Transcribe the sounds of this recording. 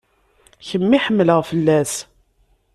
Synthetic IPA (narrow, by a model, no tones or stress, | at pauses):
çəmːiħəmːləʁfəlːæs